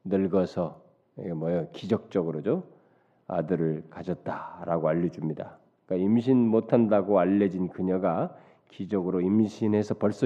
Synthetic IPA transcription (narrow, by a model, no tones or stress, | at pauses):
nɯɭɡʌsʰʌ | mwʌjʌkid͡ʑʌk̚t͡ɕ͈ʌɡɯɾod͡ʑo | a̰dɯɾɯɭkad͡ʑʌt̚t͈aɾaɡoaʎːʌd͡ʑumɲida | k͈aimɕʰinmotʰandaɡoaʎːʌd͡ʑinkɯɲʌɡa | kid͡ʑʌɡɯɾoimɕʰinɦesʰʌpʌɭs͈u